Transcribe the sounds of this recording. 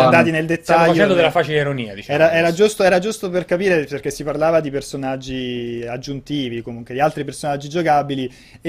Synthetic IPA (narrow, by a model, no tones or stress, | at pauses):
and̪aːt̪ineld̪et̪ːajːɛnd̪od̪elafat͡ʃeiɾoniːad̪it͡ʃɛːɾaɛːɾad͡ʒust̪oɛːɾad͡ʒust̪operkapiːɾeperk̟esːiparlaːvad̪ipersonad͡ʒːiad͡ʒːunt̪iːvikomuŋkwed̪ialt̪ɾipersonad͡ʒːid͡ʒokabili